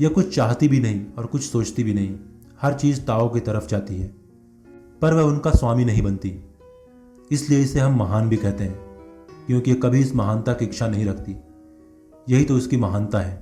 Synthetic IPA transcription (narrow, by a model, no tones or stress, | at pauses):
jekʊt͡ʃʰt͡ʃaːɦt̪ibʱinɐɦĩɔːɾkʊt͡ʃʰsoːt͡ʃt̪ibʱinɐɦĩ | hɐɾt͡ʃiːzt̪aːoket̪ɐɾəfd͡ʒaːt̪iɦɛː | pɐɾʋɛɦʊnkaswaːminɐɦĩbɐnt̪i | ɪslieɪseɦɐmːɐɦaːnbʱikɛɦt̪eɦɛ̃ːkjõːkijekɐbʱiɪsmɐɦaːnt̪akiɪkʃanɐɦĩɾɐkʰt̪i | jɐɦit̪oɪskimɐɦaːnt̪aɦɛː